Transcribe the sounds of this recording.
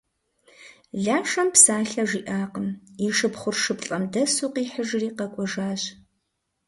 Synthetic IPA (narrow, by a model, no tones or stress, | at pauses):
ɮaːʂɐmpsaːɬɐʒʷiːʔaːqəmiʂɨpχʷʊrʂɨpɬʼɐmdɐsuːqiːħəʒriːqɐkʷʼɔʒaːɕ